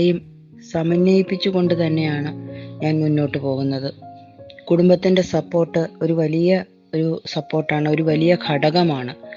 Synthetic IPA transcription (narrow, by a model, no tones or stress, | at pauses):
jum | sɐmɐnjɐjipːit͡ɕːuɣo̞ɳɖɨt̪ɐnːe̞jaːɳɨɲaːnmunːo̞ːʈːɨpo̞ːɣunːɐðɨ | kuɽumbɐt̪ːinde̞sɐpːo̞ːrʈːɨo̞ɾuʋɐlijɐ | oɾusɐpːo̞ːrʈːaːɳɨo̞ɾuʋɐlijɐkʰɐɽɐɣɐmaːɳɨ